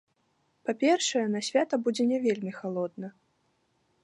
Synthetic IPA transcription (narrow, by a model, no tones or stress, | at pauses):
papʲɛrʂɐjɛnɐsʲvʲat̪ɐbud͡zʲɛnʲɛvʲelʲmʲixalˠɔd̪nɐ